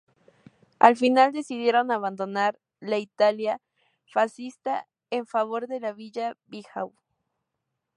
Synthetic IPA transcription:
alfinald̪e̞siðje̞ɾonaβand̪onaɾ | lait̪alja | fasist̪a | eɱfaβo̞ɾðe̞laβiʎabixaw

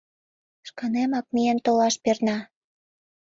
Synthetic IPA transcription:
ʃkɑnemɑk̚mient̪olɑʃpernɑ

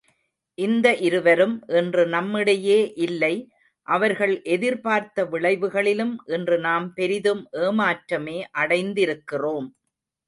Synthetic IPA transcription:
ʔɪnd̪ɐʔɪɾɯʋɐɾɯmʔɛndrɯnɐmːɪɽɐjeːʔɪlːɐɪ | ʔɐʋɐɾɣɐɭʔɛðɪɾpaːɾt̪ɐʋɪɭɐɪʋɯɣɐɭɪlɯmʔɛndrɯnaːmpɛɾɪðɯmʔeːmaːʈɾɐmeːʔɐɽɐɪnd̪ɪɾɯkːɪroːm

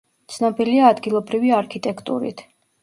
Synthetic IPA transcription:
t̪sʰnɔbiliaːd̪ɡilˠɔbɾiviaɾkʰit̪ʼɛkʰt̪ʼṵɾḭt̪ʰ

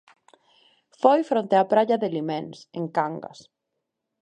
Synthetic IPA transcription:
fojfɾont̪eapɾaʎɐðɪlimẽnsḛŋkaŋɡɐ̰s

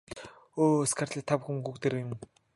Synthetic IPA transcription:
oːskʰart̪ɮiːt̪ʰːapxuŋɡukt̪eɾeɪm

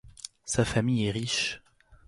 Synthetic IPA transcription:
safamijɛʁiʃ

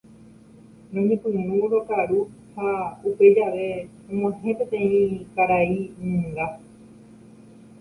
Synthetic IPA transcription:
nõɲẽpɨ̃nũɾokaɾu | haupe̞d͡ʒaʋe̞ | õmõãɦẽpẽ̞t̪ẽ̞ĩkaɾainɨ̃ŋɡa

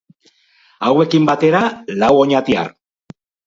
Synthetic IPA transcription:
awe̞kimbat̪e̞ɾalawo̞ɲat̪ia̰r

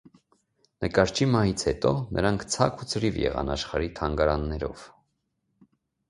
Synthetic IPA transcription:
nʔəkɑɾt͡ʃʰimɑhit͡sʰhɛt̪ɔnʔəɾɑŋkʰt͡sʰɑkʰut͡sʰəɾivjɛ̰ʁɑ̰nɑʃχɑɾit̪ʰɑŋɡɑɾɑnːɛɾɔ̰v̥

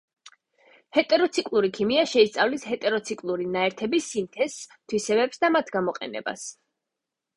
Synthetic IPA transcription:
hɛt̪ʼɛɾɔt̪sʰikʼlˠuɾikʰimiaʃɛist̪sʼavlishɛt̪ʼɛɾɔt̪sʰikʼlˠuɾinaɛɾt̪ʰɛbisːimt̪ʰɛst̪ʰwisɛbɛpsd̪amat̪ʰɡamɔqʼɛ̰nɛ̰ba̰s

